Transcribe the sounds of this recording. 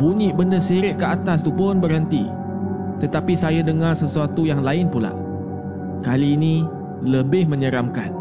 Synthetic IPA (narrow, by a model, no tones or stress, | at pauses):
buɲiʔbəndəsiɾɪʔ̪̚kəat̪as̬t̪upʊnbərɦənt̪i | t̪ət̪apisajadəŋarsəsuat̪ujaŋlaɪnpula̰ʔ | kaliːnĩ | ləbɪhmə̃ɲəɾamkan